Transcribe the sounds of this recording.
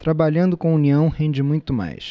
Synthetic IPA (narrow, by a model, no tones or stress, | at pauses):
t̪ɾabaʎɐ̃nd̪ʊkõuniɐ̃w̃hẽnd͡ʒɪmũj̃t̪ʊma̰js